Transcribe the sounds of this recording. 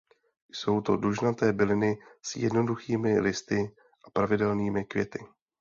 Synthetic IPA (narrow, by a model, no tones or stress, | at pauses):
jso̞wt̪o̞̰duʒnat̪ɛːbɪlɪnɪsjɛ̰dno̞duxiːmɪlɪst̪ɪ | ʔapɾavɪdɛlniːmɪkvjɛt̪ɪ